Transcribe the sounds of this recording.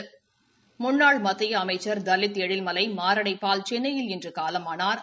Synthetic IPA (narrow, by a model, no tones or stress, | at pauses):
mʊnːaːɭmɐt̪ːɪjɐːmɐɪt͡ʃːɐɾd̪ɐlːɪt̪ːɛɽɪlmɐlɐɪmaːɾɐɽɐɪpːaːlt͡ʃɛnːɐjɪlɛndrɯkaːlɐmaːnaːɾ